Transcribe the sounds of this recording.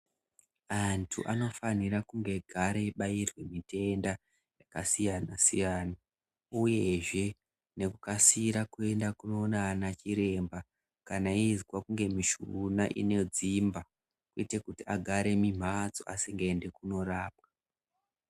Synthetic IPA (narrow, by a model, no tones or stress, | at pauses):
antʰṵʔano̞faniɾakuŋɡe̞ɡʱaɾe̞ɓajirwe̞mite̞nda | jakasijanasijaːna | uje̞ʐe̞ | ne̞kukasiɾakue̞ndakuno̞ːnaanat͡ʃiɾe̞mba | kanaizɡwakuŋɡe̞miʃunaʔḭne̞d͡zimba | kuitekutiaɡʱaɾe̞mim̤at͡so̰ʔasiŋɡeende̞kuno̞raːpa